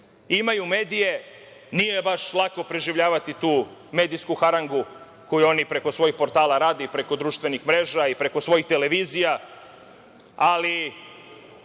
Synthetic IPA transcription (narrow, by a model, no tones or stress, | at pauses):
imajume̞ːd̪ije̞ | nije̞baʃlˠako̞pɾeʒiʋʎaːʋat̪it̪uːme̞ːd̪ijskuxaɾaŋɡu | ko̞juo̞nipɾe̞ko̞sʋo̞jixpo̞ɾt̪aːlˠaɾaːd̪epɾe̞ko̞d̪ɾuːʃt̪ʋe̞nixmɾe̞ːʒaipɾe̞ko̞sʋo̞jixt̪e̞le̞ʋiːzija | ali